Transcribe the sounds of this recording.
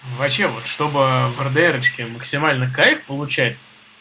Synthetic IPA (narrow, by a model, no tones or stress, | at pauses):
vɐpɕːe̞vo̞t̪ʂt̪o̞bɨvərd̪ɨɛɾət͡ɕkʲɪməksʲɪmalʲnɨxkaɪxpəlˠʊt͡ɕætʲ